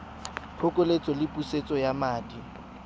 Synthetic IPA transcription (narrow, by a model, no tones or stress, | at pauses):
pʰʊkʼʊlet͡sʼɔlɪpʼuset͡sʼɔjamaːdi